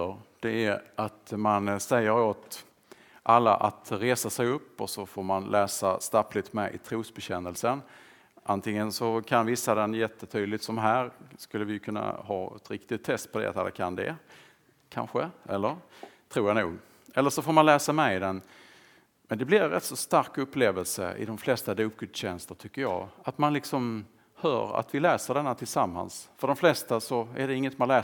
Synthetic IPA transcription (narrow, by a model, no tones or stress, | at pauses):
əɾd̪̥ɛæɾat̪mansɛjːəɾoːt̪ | ʔalːa̰ʔat̪ɾeːsasɛjɵpːɔsɔfoːɾmanlʔɛːsast̪aplɪt̪mɛʔɪ̰t̪ʰɾuːsbɛɕɛnːəlsən | ʔant̪ʰɪŋːənsɔkʰanvɪsːad̪ɛnjɛt̪ʰːət̪ʰyːd̪lɪt̪sɔmɦæːɾskɵlːəvɪjəkʰɵnːa̰hɑːɛ̰t̪ɾɪkt̪ɪt̪ʰːɛst̪̚pʰɔd̪ɛ̰a̰t̪a̰lːa̰kʰand̪ɛ̰ | kʰa̰nɧəʔɛlːəɾ | t̪ʰɾuːjanuːɡ | ɛlːəʂɔfoːɾmanlɛːsamɛjd̪ɛn | mɛnd̪ɛblɪɾɾɛ̰t̪ːsɔst̪aɾkɵpːleːvəlsə̰ɪ̰d̪ɔmflɛst̪ad̪up̚kɵt̪ɕɛnst̪əʈʰʏkːəjɑ̰ːat̪manlɪksɔm | hœ̰ːɾa̰t̪vɪlɛːsəɖɛnːat̪ʰɪlsamːa̰nsfœɖɔmflɛst̪asɔæɖɛɪŋːət̪manlɛː